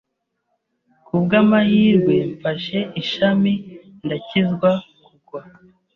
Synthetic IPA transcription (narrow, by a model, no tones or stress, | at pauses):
kubɡamahiːɾɡweɱfaʃe̞ʔiʃami | ndacizɡwakuɡwa